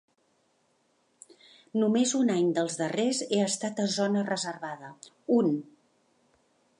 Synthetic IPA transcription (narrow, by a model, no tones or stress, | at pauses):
numezunaɲd̪əlˠzðərezeəst̪at̪əzɔnərəzərβaðə | un